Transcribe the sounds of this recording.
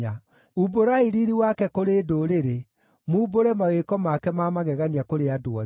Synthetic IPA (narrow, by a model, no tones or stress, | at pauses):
a | uboɾaiɾiɾiwakɛkoɾedoɾeɾe | muːboɾɛmawekɔmakɛmamaɣɛɣaniakoɾeadoa